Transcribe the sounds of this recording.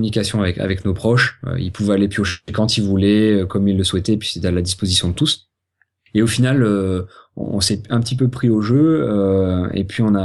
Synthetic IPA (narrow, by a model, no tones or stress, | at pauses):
ynikʲasjɔ̃avɛka̰vɛknopχɔʃø̰ḭlpuvɛalepɥioʃekɑ̃t̪ilvulɛøkɔmilːəswɛt̪ɛpɥi̥sɛt̪ɛalad̪ispozisjɔ̃d̪ət̪us | eofinaløɔ̰̃ːsɛɛ̃pət̪ip̬øpχioʒø | ḛpɥiɔ̃na